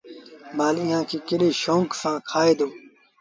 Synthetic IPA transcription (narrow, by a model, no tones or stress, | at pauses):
baːlɪ̃jãːkiːkɪɗeːʃõːŋksãːkʰaːeːd̪oː